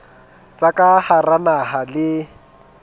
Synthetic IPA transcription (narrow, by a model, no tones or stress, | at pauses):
t͡sʼakʼaharanaɦalɪ